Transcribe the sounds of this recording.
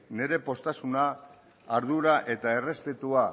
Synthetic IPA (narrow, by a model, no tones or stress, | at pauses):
ne̞ɾe̞po̞st̪asunaː | ɾð̞uɾaʔe̞t̪ae̞re̞spe̞t̪ua